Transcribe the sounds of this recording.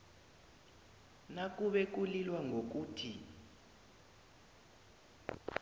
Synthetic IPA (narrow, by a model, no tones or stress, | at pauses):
nak̬ʼuɓɛk̬ulilwaŋʱok̬uːtʰi